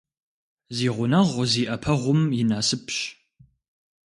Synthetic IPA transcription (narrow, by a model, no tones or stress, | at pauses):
ziːʁʷʊnɐʁʷziːʔɐpʰɐʁʷʊmjɪnaːsɨpɕ